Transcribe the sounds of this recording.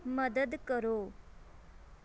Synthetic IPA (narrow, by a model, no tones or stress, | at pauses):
məd̪əd̪kəɾoː